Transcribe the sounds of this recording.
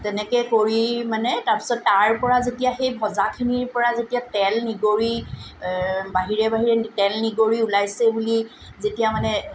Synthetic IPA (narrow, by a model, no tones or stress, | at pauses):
tɛnɛkɛkoɹimanɛtaɹpi̥sɔtːaɹpɔɹazetijaxejbʱɔzakʰiniɹpɔɹazetijatɛlniɡoɹi | baɦiɹɛbaɦiɹɛtɛlniɡoɹiulajsɛbuli | zetijamanɛ